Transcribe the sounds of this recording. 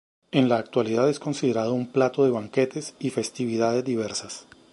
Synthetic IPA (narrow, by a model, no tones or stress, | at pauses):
e̞nlaːk̚t̪waliðaðe̞sko̞nsiðe̞ɾaðo̞umplat̪o̞ðe̞βaŋke̞t̪e̞sife̞st̪iβiðaðe̞zd̪iβe̞ɾsas